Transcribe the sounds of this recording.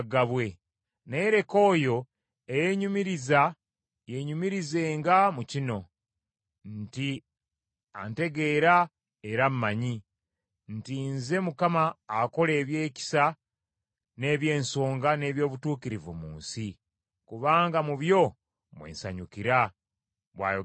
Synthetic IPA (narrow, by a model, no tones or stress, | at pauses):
ɡaβwe̞ | ne̞ɾe̞ko̞ːjo̞ | eje̞ɲumiɾiza | je̞ɲumiɾize̞ːŋɡamucino̞ | nti | a̰nte̞ɡe̞ːɾa | eɾammaɲi | ntinze̞mukamaːko̞le̞ːβje̞ːci̥sa | ne̞ːβje̞ːnso̞ːŋɡane̞ːβjo̞ːβutuːkiɾivṵmṵːnsi | kuβaːŋɡamuβjo̞ | mwḛːnsa̰ɲukiɾa | βwa̰ːjo